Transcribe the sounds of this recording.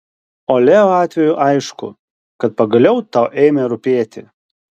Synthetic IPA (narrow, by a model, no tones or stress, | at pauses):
oːlʲeːoːɑːt̪ʲʋʲɛjʊʔɐɪʃkʊ̰ | kɐt̪̚pɐɡɐlʲɛʊt̪ɑʊʔɛːmʲeɾʊpʲiɛt̪ʲɪ